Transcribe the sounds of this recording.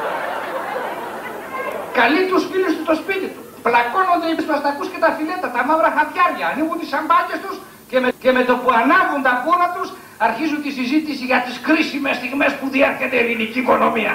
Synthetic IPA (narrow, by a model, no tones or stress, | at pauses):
kɐlit̪usfilust̪ust̪ospit̪it̪u | plɐkonond̪eizmɐsnɐkuscet̪ɐfilet̪ɐt̪ɐmavɾɐxɐt̪ʝɐʝɐːniɣunt̪isɐmbɐɟe̞st̪us | ce̞mece̞me̞t̪o̞puɐnɐɣunt̪ɐpoɾɐt̪us | ɐɾçizunt̪isizit̪isiʝɐt̪iskɾisimest̪iɣmespuðieɾçent̪eliniciːko̞no̞miɐ̰